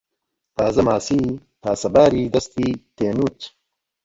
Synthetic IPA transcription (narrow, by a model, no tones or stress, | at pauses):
t̪aːzɐmaːsiː | t̪aːsɐbaːɾiːd̪ɐst̪iːt̪eːnuːt͡ɕ